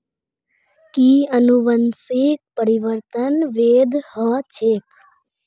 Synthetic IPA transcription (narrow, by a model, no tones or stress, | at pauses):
kiənuʋənsik̚pəɾiʋəɾt̪ənʋeːd̪ʱhət͡ʃʰek